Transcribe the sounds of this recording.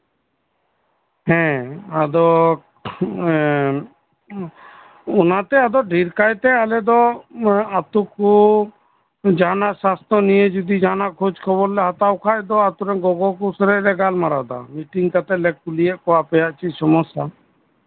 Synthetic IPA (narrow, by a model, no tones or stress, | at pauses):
hɛ̃ad̪ɔ | ɔnat̪ɛad̪ɔɖʱiɾkajt̪ɛalɛd̪ɔ | at̪uku | d͡ʒanaʔsast̪ɔnijed͡ʒud̪id͡ʒanaʔkʰud͡ʒkʰɔβɔllɛɦat̪awkʰajd̪ɔat̪uɾɛɡɔɡɔkusɾɛɾɛɡalmaɾad̪a̰miʈiŋkat̪ɛlɛk̚kulijɛʔkɔapɛjaʔt͡ʃʰisɔmɔsa